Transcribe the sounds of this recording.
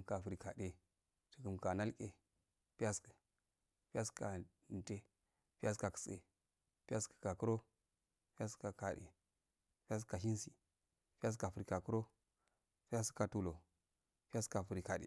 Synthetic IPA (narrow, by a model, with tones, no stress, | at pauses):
ka˨fu˨ɾi˨ka˨de˨ | tə̥˨kə˨mka˨na˦lkʼe˨ | pi˦ja˦skə̥˨ | pi˦a˦ska˨ | n˨te˦ | pi˦a˦s̬ka˨kə̥˨sḛ˨ | pa˦skə̥˨ka˨ku˦ɾo˦ | pi˦a˦ska˨ka˨ɗḛ˨ | pi˦ja˦s̬ka˨ʃi˦n˦si˨ | pi˦a˦s̬ka˨fu˨ɾi˨ka˨ku˦ɾo˦ | pi˦ja˦sə̥˦ka˨tu˦lo˨ | pa˦ska˨fu˨ɾi˨ka˨dḛ˨